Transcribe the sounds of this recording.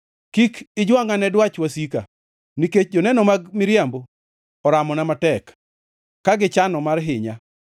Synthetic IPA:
kikɪd͡ʒwaŋanɛdwat͡ʃwasika̰ | niket͡ʃ̚d͡ʒɔnɛnɔmaɡmɪɾjambo | ɔɾamɔnamatɛk | kːaɡɪt͡ʃanɔmarɦɪɲa

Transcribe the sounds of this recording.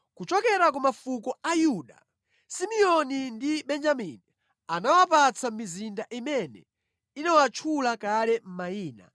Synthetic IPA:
kut͡ʃɔkɛɾak̬umafukɔajuːɗa̰ | simiɔnindiɓɛnd͡ʒamini | anawapat͡sʰamizindaʔimɛnɛ̰ | inawat͡ʃʰulakalɛm̩maiːna̰

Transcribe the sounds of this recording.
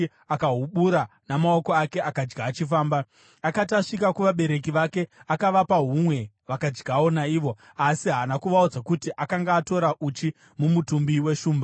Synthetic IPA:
akaɦuɓuɾa | namao̞ko̞ake̞ʔakad͡ʒɡaːt͡ʃifaːmba | akataʂikakuʋaɓe̞ɾe̞k̬iʋake̞akaʋapaɦumwe̞ | ʋakad͡ʒɡawo̞naiːʋo̞ | asiɦaːnakuʋaud͡zakutiʔakaŋɡaːto̞ɾaʔut͡ʃi | mumutumbiwe̞ʃuːmba

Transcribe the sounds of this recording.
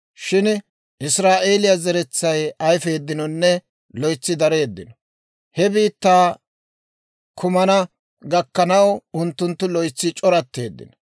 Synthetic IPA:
ʃɪn | ʔɪsɾaːʔe̞ːlɪjɐzɛɾɛt͡sːɐjɐjfe̞ːd̪ːɪnɔnːɛ | lɔjt͡sːɪd̪ɐɾe̞ːd̪ːɪnɔ | hɛbiːt̪ːaː | kʰʊmɐnɐ | ɡɐkːɐnɐwʊnt̪ːʊnt̪ːʊlɔjt͡sːɪt͡ʃʼɔɾɐt̪ːe̞̰ːd̪ːɪ̰nɔ̥

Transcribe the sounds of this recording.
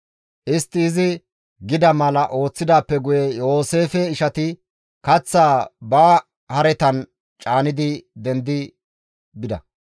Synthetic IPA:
ʔɪst̪ːɪːzɪ | ɡɪd̪ɐmɐlɐʔo̞ːt͡sːɪd̪aːpːɛɡʊjɛjo̞ːse̞ːfɛɪʃɐt̪ɪ | kɐt͡sːaːbaː | hɐɾɛt̪ɐn | t͡ʃʼaːnɪd̪ɪd̪ɛnd̪ɪ | bɪd̪ɐ̰

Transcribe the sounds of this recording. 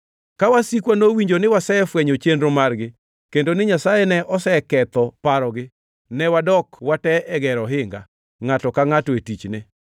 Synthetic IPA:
kawasikwanowiɲd͡ʒonɪwasɛfwɛɲot͡ʃendɾomarɡɪ | kendonɪɲasajɛnɛʔɔsɛkɛt̪ɔpaɾɔɡɪ | nɛwadɔkwatɛɛɡɛɾɔɦɪŋɡa̰ | ŋatɔkaŋatɔetit͡ʃnɪ

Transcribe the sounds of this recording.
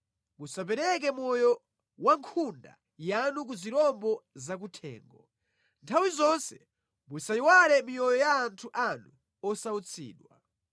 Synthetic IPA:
musap̬ɛɾɛk̬ɛmɔjɔ | waŋkʰunda̰ | januk̬uziɾɔmbɔzak̬utʰɛ̰ːŋɡɔ̰ | ntʰawizɔnsɛ | musaiwaɾɛmijɔjɔjaːntʰuʔanu | ɔsaut͡sʰḭːɗwa

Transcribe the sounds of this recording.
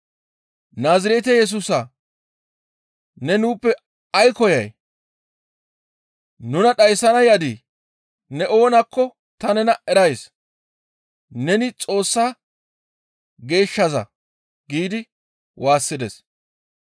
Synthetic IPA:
naːzɪɾeːt̪̬ɛjɛs̬uːsɐ | nɛnuːpːɛ | ɐjkɔjɐ̰j | nʊnɐɗɐjsːɐnɐjɐd̪i | nɛʔo̞ːnɐkːɔ | t̪ɐnɛnɐɛɾɐjs | nɛnɪt͡sʼo̞ːsːaː | ɡe̞ːʃːɐzɐ̰ | ɡiːd̪ɪ | wʔaːsːɪd̪ɛs

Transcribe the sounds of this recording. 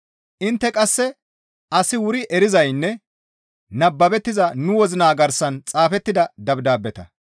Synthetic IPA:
ʔɪnt̪ːɛkʼɐsːɛ | ʔɐsɪwʊɾɪʔɛɾɪzɐjnːɛ | nɐbːɐbɛt̪ːɪzɐnʊwɔzɪnaːɡɐɾsɐnt͡sʼaːfɛt̪ːɪd̪ɐd̪ɐbd̪aːbːɛt̪ɐ

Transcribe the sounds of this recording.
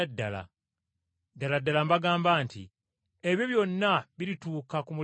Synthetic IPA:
dːa̰la̰ | daladːalambaɡaːmbaːntḭ | eβjo̞βjo̞nːaβilituːkakumu

